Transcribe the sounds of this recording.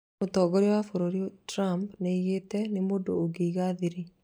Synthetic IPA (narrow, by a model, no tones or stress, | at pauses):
otɔːɡɔɾewafoɾoɾiotɾampneiɣetɛnemoːdoːɡeiɣaːðiɾi